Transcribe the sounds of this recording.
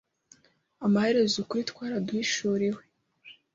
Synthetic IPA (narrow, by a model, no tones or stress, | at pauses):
amaheɾezukuɾitkʷaːɾadwiːʃuɾiwe̥